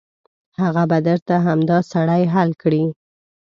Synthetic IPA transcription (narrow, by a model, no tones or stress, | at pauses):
haɣabad̪əɾt̪aɦamd̪ɑsaɽajɦalkɽi